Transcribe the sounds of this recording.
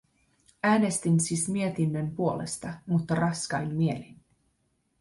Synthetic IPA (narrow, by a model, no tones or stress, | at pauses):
æːne̞st̪insismie̞t̪inːømpuo̞le̞̰st̪ɑmut̪ːɑrɑskɑjmmie̞lin